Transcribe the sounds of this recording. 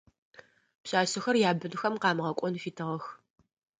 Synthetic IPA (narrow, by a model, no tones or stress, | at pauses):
pɕaːɕɪxɐrjaːbɨnɨxɐmqɑːmʁɐkʷʼɔnfiːtʰɨʁɐx